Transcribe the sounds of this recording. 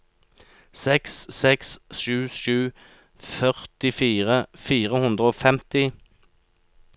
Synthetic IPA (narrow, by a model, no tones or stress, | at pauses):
sɛksːɛksʃʉːʃʉː | fœʁt̪ɪfiːʁəfiːʁəhʉnd̪ʁəoːfɛmt̪ɪ